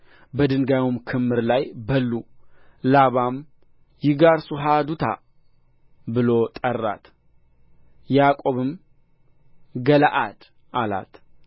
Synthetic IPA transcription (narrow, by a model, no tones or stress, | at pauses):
bəd̪ɨŋɡajumkʰɨmːɨɾlajbəlːulaβam | jɪɡaɾsuɦad̪ut̪ʰa̰ | bɨlo̞t̪ʼərːa̰t̪ | jakʼo̞βɨm | ɡəlaʔad̪̥ | ʔala̰t̪